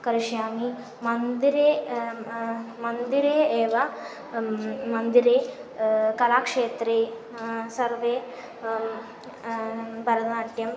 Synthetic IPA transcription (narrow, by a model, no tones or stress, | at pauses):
kɐɾiʃjaːmi | mɐnd̪iɾeː | mɐnd̪iɾeːeːʋa | mɐnd̪iɾeː | kɐlaːkʂeːt̪ɾeː | sɐɾʋe | bʱɐɾɐd̪aːɳʈjɐm